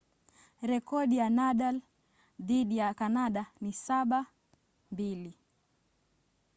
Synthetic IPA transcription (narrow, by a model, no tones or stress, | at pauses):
ɾɛkɔɗijanaɗal | ðiɗijakanaɗanisaɓa | mbili